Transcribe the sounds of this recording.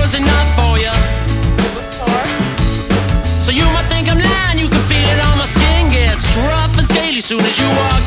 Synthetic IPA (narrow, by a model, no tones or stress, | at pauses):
ʌzɨnʌfə˞jə | soʊjɨmaɪt̪̚θɪ̃ŋkãɪ̃mlæ̃njɨkɨ̃nfilˠɪɾɔlˠmaɪskɪ̃nɡɛtsɹʌfɨ̃nskeɪlˠisũnɨzjɨwɔ